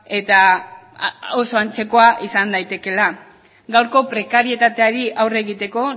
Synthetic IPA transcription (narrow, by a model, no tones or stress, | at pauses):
e̞t̪a | oso̞ant͡se̞ko̞aʔisand̪ajt̪e̞ke̞la | ɡawɾko̞pɾe̞kaɾie̞t̪at̪e̞aɾiʔawre̞ɣit̪e̞ko̞